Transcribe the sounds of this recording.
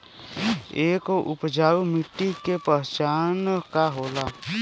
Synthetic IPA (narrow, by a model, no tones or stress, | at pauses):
eːkʔʊpd͡ʒaːumɪʈːikepəɦt͡ʃaːnkaɦoːla